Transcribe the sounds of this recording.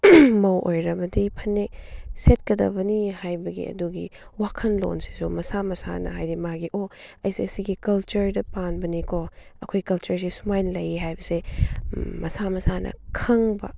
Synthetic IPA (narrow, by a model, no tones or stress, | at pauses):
mɐwʔojɾɐbɐdipʰɐnːeset̚kɐdɐ̰bɐnihajbɐɡḭɐ̰duɡḭwakʰɐnlo̰nsi̥sumɐsamɐsa̰nɐ̰ɦajɾimaɡiʔoɐjsiɐsiɡikɐlt͡ʃɐɾdɐpanbɐnikʰoɐkʰojkɐlt͡ʃɐɾs̬isumajnlɐjiɦajbɐse | mɐsamɐsanʔɐ̰kʰɐŋbɐ̰